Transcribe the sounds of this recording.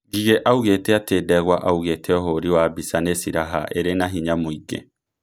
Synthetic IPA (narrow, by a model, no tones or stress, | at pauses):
ɡiɣeʔauɣeteateːdɛɣwaʔauɣetʰeɔɦoɾiwaːbisanesiɾaɦa̰ʔeɾenaɦiɲamoiɡḛ